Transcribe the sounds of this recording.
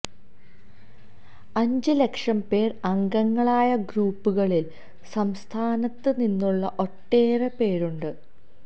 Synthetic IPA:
ɐɲd͡ʑɨle̞kʂɐmpe̞ːrɐŋɡɐŋːɐɭaːjɐɡɾuːpːuɣɐɭil | sɐmst̪ʰaːnɐt̪ːɨninːuɭːɐʔo̞ʈːeːrepe̞ːɾuɳɖɨ

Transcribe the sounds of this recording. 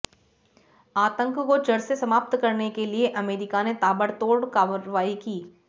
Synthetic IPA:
aːt̪ə̃ŋkkot͡ʃɐɽsesɐmaːp̚t̪kɐɾnekelieʔɐmeːɾɪkanet̪aːbəɽt̪oːɽkaːʋəɾʋaːikiː

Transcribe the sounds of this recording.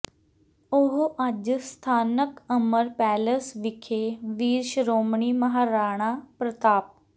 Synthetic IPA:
ʊɦʔəd͡ʒst̪ʰaːnəkəməɾpɛːləsʋɪkʰeːʋiːɾʃɾoːmɳiːməɦaːɾaːɽ̃aːpɾət̪aːp̚

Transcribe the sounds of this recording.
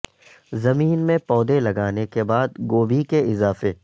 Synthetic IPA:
zɐmiːnmẽpɔːd̪elɐɡaːnekebaːd̪ɡoːbʱikeɪzaːfe

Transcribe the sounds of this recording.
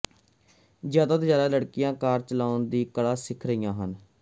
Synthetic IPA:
zjaːd̪aːt̪oːjaːd̪aːləɽkɪjãːkaːɾt͡ʃəlaːʊnd̪iːkəɽaːsɪkʰɾəijãːɦən

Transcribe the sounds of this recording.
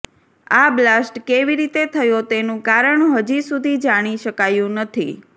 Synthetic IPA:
ablasʈkeʋiɾit̪et̪ʰəjot̪enũkaɾəɳɦəd͡ʒisud̪ʱid͡ʒaɽ̃iʃəkajũnət̪ʰḭ

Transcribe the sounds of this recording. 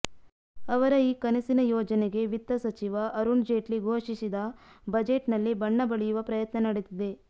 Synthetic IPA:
ɐʋɐɾɐiːkɐnɐsinɐjoːd͡ʒɐneɡe̞ʋit̪ːɐsɐt͡ʃiʋɐʔɐɾuɳd͡ʒeːʈliɡʱoːʂisid̪ɐbɐd͡ʒeʈnɐlːibɐɳːɐbɐɭijuʋɐpɾɐjɐt̪nɐnɐɽet̪id̪e̞

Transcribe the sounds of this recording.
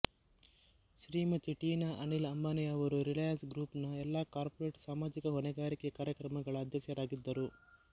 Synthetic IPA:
ʃɾiːmɐt͡ʃːiʈːiːnɐʔɐnɪlɐmbaːnɪjaɔɾɯɾɪlɐjɐnsɡɾuːpnɐɛlːaːkaːɾpɔɾeːʈsaːmaːd͡ʒɪɣɐɦɔɳɐɡaːɾɪkːɐkaːɾjɐkɾɐmɐŋɡɐɭɐd̪ʱjɐkɐɾaːɣɪd̪ːɐɾu

